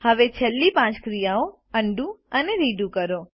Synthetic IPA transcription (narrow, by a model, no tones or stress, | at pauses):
həʋet͡ʃʰelːipãt͡ʃkɾijao | əɳɖũəneɾiɖũkəɾo